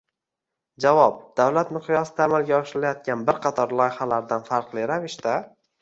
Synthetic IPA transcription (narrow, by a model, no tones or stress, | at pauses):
d͡ʒavɒp̚d̪̥awlat̪mɪqʰjɒsɪd̪aːmalˠɡʲaɒʃɾɪlajɒt̪̚kʲanbɪɾqʰɑt̪ʰɒɾlˠɒjɪχalaɾd̪anfaɾqlˠɪɾavɪʃt̪a